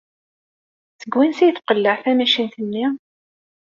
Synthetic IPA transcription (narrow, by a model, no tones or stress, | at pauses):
θəɡwinsijθqəlːəʕθæmæʃinθənːi